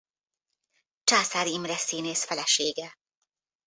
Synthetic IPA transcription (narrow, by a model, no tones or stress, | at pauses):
t͡ʃaːsaɾimɾɛsiːneːsfɛlɛʃeːɡɛ